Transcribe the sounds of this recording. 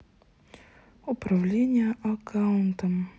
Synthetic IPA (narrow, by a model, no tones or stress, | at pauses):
ʊpɾɐvlʲenʲɪjəʔɐkʰaʊnt̪əm